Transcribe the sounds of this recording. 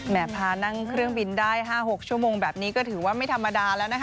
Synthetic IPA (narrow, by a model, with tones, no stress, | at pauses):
mɛː˨˩pʰaː˧na˥˩ŋkʰɾɯ˥˩əŋbi˧ndaː˥˩jɦaː˥˩ɦo˨˩k̚t͡ɕʰu˥˩əmoː˧ŋbɛː˨˩p̚niː˦˥kɔː˥˩t̪ʰɯː˩˦waː˥˩ma˥˩jt̪ʰa˧mːa˧daː˧lɛː˦˥wna˦˥kʰ